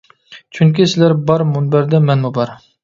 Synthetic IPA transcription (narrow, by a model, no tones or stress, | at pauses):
t͡ʃʰyŋkʲisɪlæɾbɑɾmunbæɾd̪ɛmɛnmubɑɾ